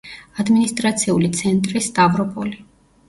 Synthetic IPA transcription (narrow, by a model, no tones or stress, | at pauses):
ad̪minist̪ʼɾat̪sʰiulit̪sʰɛnt̪ʼɾisd̪avɾɔpʼɔli